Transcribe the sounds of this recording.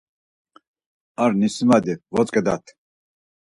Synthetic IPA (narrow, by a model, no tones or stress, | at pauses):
aɾnismad̪ivɔt͡sʼkʼɛd̪a̰t̪ʰ